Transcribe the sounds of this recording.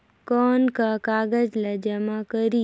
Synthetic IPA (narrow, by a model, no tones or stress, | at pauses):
kɔːnkakaːɡəd͡ʒlad͡ʒəmakəɾi